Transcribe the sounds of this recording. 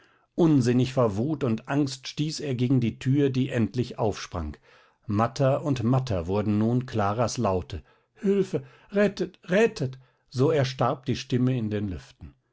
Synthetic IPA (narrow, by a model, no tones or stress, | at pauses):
ʔʊnzɪnɪçfoɐvuːtʊntʔaŋstʃtiːseːɐɡeːɡŋ̩diːtʰyːɐdiːʔɛntlɪçʔa̰ʊfʃpʁ̥a̰ŋk | matʰɐʊntmatʰɐ̰vʊɐdn̩nuːnkʰlaːʁaslaʊtʰə | hʏlfə | ʁɛtətʁɛtʰət | z̥oːɛɐʃtaɐp̚d̥iːʃtɪməɪndeːnlʏ̰ftn̩